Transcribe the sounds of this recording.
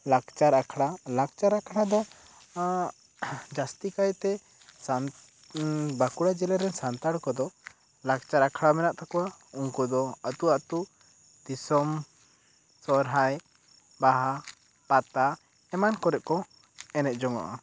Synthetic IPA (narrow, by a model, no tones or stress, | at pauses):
laɡt͡ʃaɾakʰɽalak̚t͡ʃaɾakʰɽ̃ad̪ɔ | d͡ʒast̪ikajt̪ɛ | san | bakuɽad͡ʒɛlaɾɛnsant̪aɽkɔd̪ɔ | lak̚t͡ʃaɾakʰɽamɛnaʔt̪akɔwauŋkɔd̪ɔət̪uat̪u | d̪̥isɔm | sɔɾɦaj | baɦa | pat̪a | ɛmankɔɾɛʔ̚kɔ | ɛnɛt̪̚ˀd͡ʒɔŋa̰ʔa